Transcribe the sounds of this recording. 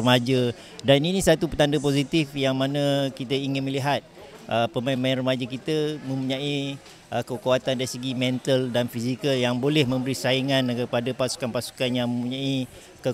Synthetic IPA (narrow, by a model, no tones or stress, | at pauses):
əmad͡ʒə | daninĩsat̪upət̪andəpozit̪ifjaŋmanə̃kit̪əiŋɪnməliɦat̪̚ | ʔəpəmanmanrəmad͡ʒəkit̪əmə̃mpuɲãi | ʔəkəkuat̪andaɾisəɡimɛ̃nt̪əldanfizikəljaŋbolɛhmə̃mbəɾisaiŋãnkəpadəpasu̥kanpasu̥kanjaŋmə̃mpuɲãi | kə